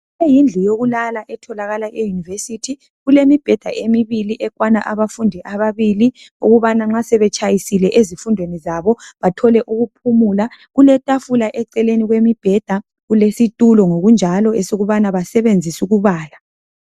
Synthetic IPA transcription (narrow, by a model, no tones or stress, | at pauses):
ejind͡ɮʱijoɣulalaʔɛtʰɔlaɣalaɛjunivesitʰi | ɣulemib̥ʱɛd̥ʱaʔemiβiliʔɛkwanaʔaβafundʱɛʔaβaβili | ṵɣuβanaŋ͡ǁasɛβɛt͡ʃʰʼajisilɛʔezifundʱwenizaβɔβatʰɔlɛʔuɣupʰumulaɣulɛtʼafulaʔɛǀɛleniɣwemib̥ʱɛd̥ʱa | ɣulesitʼulɔŋoɣund͡ʒʱalɔɛsoɣuβanaβasɛβend͡zʱisuɣuβaːla